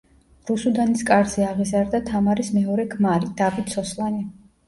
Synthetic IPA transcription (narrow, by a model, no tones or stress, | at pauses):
ɾusud̪aniskʼaɾzɛaʁizaɾd̪at̪ʰamaɾismɛɔɾɛɡʰmaɾid̪̥abit̪sɔslˠani